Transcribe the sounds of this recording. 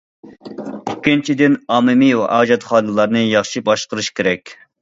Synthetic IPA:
ikʲːint͡ʃʰid̪ɪnɑːmɨmiwɛ̰ʔɑːd͡ʒɑt̪χɑːnɨlˠɑɾnɨjɑχʃibɑʃqəɾɨʃkʲʰeɾɛkʲ

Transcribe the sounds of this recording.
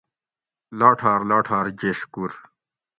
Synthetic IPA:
laːʈʰaːɾlaːʈʰaːɾd͡ʑeɕkuɾ

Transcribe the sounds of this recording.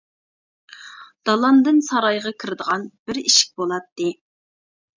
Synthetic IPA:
d̪̥ɑlˠɑnd̪ɨnsɑɾɑjʁɑkʲʰiɾɪd̪əʁɑnb̥ɪɾiʃɪ̥k̚ʲbolˠɑt̪ːɨ

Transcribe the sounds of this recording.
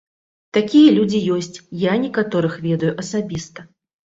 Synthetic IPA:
t̪akʲijɐlʲud͡zʲijɔsʲt͡sʲjanʲɛkat̪ɔɾɨxvʲɛd̪ɐjuʔɐsabʲist̪ɐ

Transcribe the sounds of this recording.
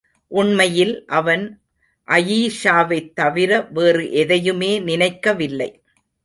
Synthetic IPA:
ʔʊɳmɐjɪlʔɐʋɐn | ʔɐjiːʂaːʋɐɪt̪ːɐʋɪɾɐʋeːrɯʔɛðɐjɯmeːnɪnɐɪkːɐʋɪlːɐ̰ɪ

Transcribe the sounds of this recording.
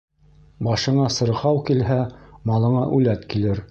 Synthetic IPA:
bɑʃɤ̆ɴɑsɤ̆ɾʁɑwkilɦæmɑlˠɤ̆ɴɑʔulæt̪kilɘɾ

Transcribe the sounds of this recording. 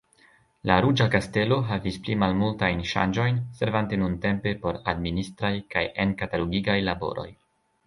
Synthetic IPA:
laɾud͡ʒakaste̞lo̞ɦavisplimalmultajnʃa̰nd͡ʒo̞jnse̞ɾvante̞nunte̞mpe̞po̞ɾa̰dministɾajkaje̞nkataloɡiɡajlabo̞̰ɾo̞̰j

